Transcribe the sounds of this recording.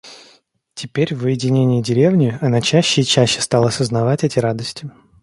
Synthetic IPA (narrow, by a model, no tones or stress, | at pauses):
tʲɪpʲeɾʲvəjɪdʲɪnʲenʲɪjɪdʲɪɾʲe̞vnʲɪɪɐnat͡ɕæɕːɪːt͡ɕæɕːɪ̥st̪ɑlˠəɐsəznɐvatʲɛtʲɪɾad̪əsʲtʲɪ